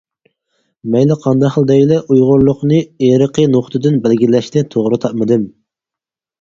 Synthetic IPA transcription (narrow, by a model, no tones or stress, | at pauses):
mɛjlɪqʰɑnd̪ɑχəlˠd̪ɛjlɛʔujʁʊɾlˠʊqnɨeɾəqʰənoχt̪ʰɨd̪ɨnbælɡʲilɛʃt̪ɪt̪ʰoʁɾɨt̪ʰɑp̚mɨd̪ɨm